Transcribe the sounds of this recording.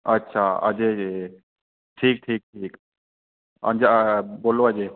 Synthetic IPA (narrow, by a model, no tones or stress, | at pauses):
ɐtːʃʰaːɐ̰d͡ʒeː | ʈʰiːk̚ʈʰiːk̚ʈʰiːk | ɐ̰̃nd͡ʒaboːloəd͡ʒeː